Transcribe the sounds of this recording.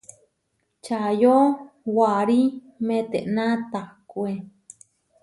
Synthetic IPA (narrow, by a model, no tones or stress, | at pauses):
t͡ʃajo | waɾi | mẽt̪eʔnãt̪akue